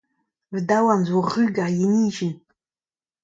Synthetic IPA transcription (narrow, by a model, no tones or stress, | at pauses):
vdawanzʷaʁɨɡajiniʒɪn